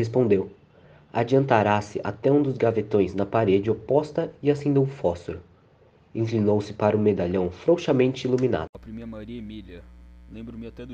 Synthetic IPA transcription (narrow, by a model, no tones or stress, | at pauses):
hespõnd̪ew | ad͡ʒiɐ̃nt̪aɾasɪ̰ʔa̰t̪ɛũd̪ʊzɡavet̪õj̃znɐpaɾed͡ʒɪopɔst̪ɐɪasẽnd̪ewũfɔsʊɾʊ | ĩklinowsɪpaɾɐũmed̪aʎɐ̃w̃fɾowʃɐmẽnt͡ʃɪilumĩna̰d̪ʊpɾimeɐmaɾimilɐlẽbɾʊm